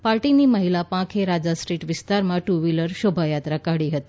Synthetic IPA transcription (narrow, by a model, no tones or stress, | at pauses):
paɾʈiniːməɦilapãkʰeɾad͡zasʈɾiːʈʋist̪aɾmaʈuʋiləɾɕobʱajat̪ɾakaɽiːɦət̪i